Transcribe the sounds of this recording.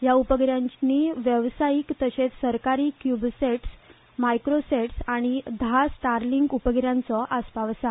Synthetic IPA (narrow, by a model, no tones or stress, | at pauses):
jaupəɡɾjãɲt͡ɕniʋjəʋsajikt̪əɕet͡ssəɾkaɾiːkjubseʈs | majkɾoseʈsaɽ̃id̪ʱasʈaɾliŋɡupəɡɾjãnt͡sɔʔaspaʋsa